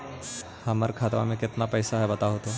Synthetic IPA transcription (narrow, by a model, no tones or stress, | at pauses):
həməɾkʰaːt̪ʋa̰mẽkɪt̪napɛːsaɦɛbɐt̪aɦot̪o